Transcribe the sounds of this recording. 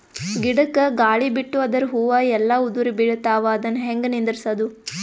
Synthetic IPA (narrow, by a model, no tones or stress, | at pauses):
ɡiɽɐkːɐɡaːɭibiʈːuɐd̪ɐɾuɦuʋaːjɛlːɐud̪uɾibiɭɐt̪aːʋɐːd̪ɐnːɐɦeŋɡɐnind̪ɐɾisɐd̪u